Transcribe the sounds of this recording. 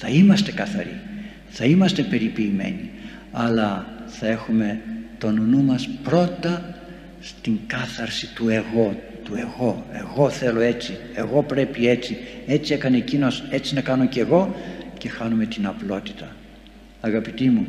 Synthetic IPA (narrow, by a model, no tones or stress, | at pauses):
θɐimɐst̪e̞kɐθɐ̰ɾḭ | θɐimɐst̪e̞pe̞ɾipiːme̞̰ni | ɐlɐθɐe̞xume̞t̪o̞nunumɐspɾo̞t̪ɐ | st̪iŋkɐθɐɾsit̪ue̞ɣo̞ | t̪ue̞ɣo̞e̞̰ɣo̞θe̞lo̞e̞t͡si | e̞ɣo̞pɾe̞pie̞t͡sie̞t͡siekɐnecino̞se̞t͡sinɐkɐno̞ce̞ɣo̞ce̞xɐnume̞t̪inɐplo̞t̪i̥t̪ɐ | ɐɣɐpit̪imu